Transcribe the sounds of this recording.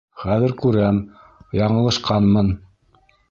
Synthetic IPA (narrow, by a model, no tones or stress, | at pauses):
χæðɘɾkʉɾæm | jɑɴɤ̆lˠɤ̆ʃqɑnmɤn